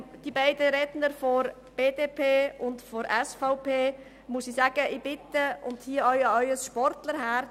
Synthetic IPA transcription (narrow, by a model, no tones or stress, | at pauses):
d̥ibaɪdəɾɛdnəɾfɔɾ | b̥eːdeːpʰeːʊndfɔɾɛsfaʊpʰeː | musisaɡ̥əʔɪb̥ɪt̪əʊndhiəœʏɑœʏəsʃpɔɾtləɾɦæːɾ